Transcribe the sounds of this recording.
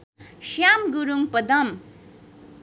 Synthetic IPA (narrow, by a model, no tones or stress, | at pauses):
ʃjamɡuɾuŋpʌd̪ʌm